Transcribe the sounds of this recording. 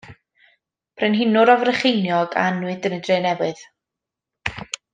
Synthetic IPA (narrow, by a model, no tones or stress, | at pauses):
pʰrɛnɦɪnʊɾɔvrəχejnjɔɡa̰nwɨdənədreːnɛwɨð̥